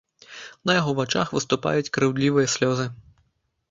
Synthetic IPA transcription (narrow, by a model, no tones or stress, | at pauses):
nɐjaɣɔvat͡ʂa̰xvɨst̪upa̰jut͡sʲkɾɨwlʲivɨjɐsʲlʲɔzɨ